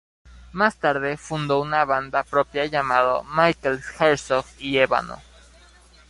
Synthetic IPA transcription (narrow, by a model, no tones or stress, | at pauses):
mast̪aɾðe̞fund̪o̞unaβand̪apɾo̞pjaʝamaðo̰majkelxeɾsokieβa̰no̰